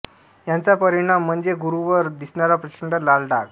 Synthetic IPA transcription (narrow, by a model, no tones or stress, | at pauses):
jant͡sapəɾiɳ̃am̤ːəɳd͡zeɡuɾuʋəɾd̪isɳaɾapɾət͡ɕəɳɖəlalɖak